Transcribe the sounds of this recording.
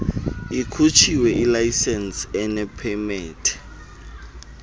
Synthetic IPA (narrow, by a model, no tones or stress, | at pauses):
ikʰut͡ʃʰiwɛʔilajsɛnsɛnɛpʰɛmɛːtʰɛ̥